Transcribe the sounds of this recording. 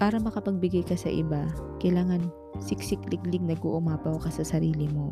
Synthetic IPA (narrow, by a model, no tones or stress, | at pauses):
paːɾɐmɐkɐpɐɡ̚bɪɡajkɐsɐ̰ʔɪ̰bakɐjlaːŋɐn | sɪksɪklɪɡlɪɡ̚nɐɡo̰ʔʊmaːpɐwkɐsɐsɐɾiːlɪmo̞